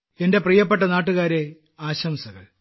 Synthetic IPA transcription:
e̞nde̞prijɐp̬ːe̞ʈːɐnaːʈːuɣaːɾe̞ | aːɕɐmsɐɣɐ̰ɭ

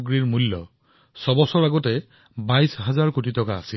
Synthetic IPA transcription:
ɡɹiɹmulːɔ̰ | sɔbɔsɔɹaɡɔtɛ | bajsɦazaɹkutitɔkaːsil

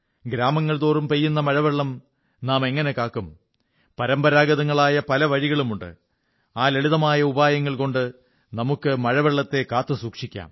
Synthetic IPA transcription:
ɡɾaːmɐŋːɐɭt̪oːrumpejːunːɐmɐɻɐʋeɭːɐm | naːme̞ŋːɐne̞kaːkːum | pɐɾɐmbɐɾaːɡɐðɐŋːɐɭaːjɐpɐlɐʋɐɻiɣɐɭumuɳɖɨ̰ | aːleɭiðɐmaːjɐubaːjɐŋːɐɭko̞ɳɖɨ | nɐmukːɨmɐɻɐʋeɭːɐt̪ːe̞kaːt̪ːɨsuːkʂikʲːa̰ːm

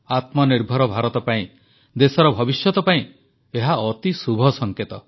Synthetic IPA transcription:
at̪mɔniɾbʱɔɾɔbʱaɾɔt̪ɔpaĩ | d̪esɔɾɔbʱɔbisjɔt̪ɔpaĩ | eɦaɔt̪isubʱɔsɔŋket̪ɔ

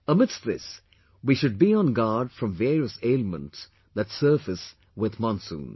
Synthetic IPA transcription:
əmɪdstðɪs | wiʃʊd̚biə̃nɡɑdfɹʌ̃ɱvɛːɹiəseɪlmə̃nts | ðɨtsɜːfɨs | wɪðmɑ̃nsṵ̃ːn

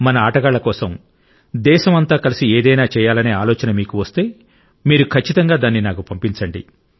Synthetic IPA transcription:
mɐnɐaːʈɐɡaːɭːɐkɔːsɐm | d̪ɛːʃɐmɐnt̪aːkɐlisieːd̪ɐjnaːt͡ʃɛːjaːlɐneːaːlɔːt͡ʃɐnɐmiːkuʋɐst̪e̞ː | miːɾukʰɐt͡ʃːit̪ɐŋɡaːd̪aːnːinaːkupɐmpint͡ʃɐɳɖḭ

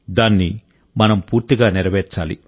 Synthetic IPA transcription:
d̪aːnːi | mɐnɐmpuːɾt̪iɡaːniɾɐʋɛːɾt͡ʃaːlḭ

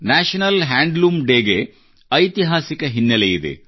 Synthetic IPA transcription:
naːʃɐnɐlɦaːɳɖluːmɖeːɡe | ɐjt̪iɦaːsikɐɦinːɐlejid̪ḛ

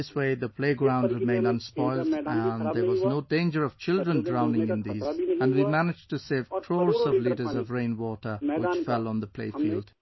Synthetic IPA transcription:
ɪsweɪðɨpʰl̥eɪɡɹãʊ̃ndɹɨmẽɪ̃ndʌ̃nspɔɪlˠdə̃nðə˞wʌznoʊdẽɪ̃nd͡ʒə˞ʌv̥t͡ʃʰɪlˠdɹə̃ndɹãʊ̃nɪ̃ŋɨ̃nðizə̃nwimænɨd͡ʒtʰɨsev̥kʰɹ̥ɔɹzʌvliɾə˞zʌvɹẽɪ̃nwɔɾə˞wɪt͡ʃfɛlˠə̃n̩ðəpʰl̥ḛɪfilˠd̥

